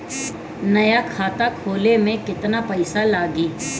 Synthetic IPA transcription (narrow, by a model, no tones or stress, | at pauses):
nɐjakʰaːt̪akʰoːlemẽkɪt̪napɐɪsalaːɡiː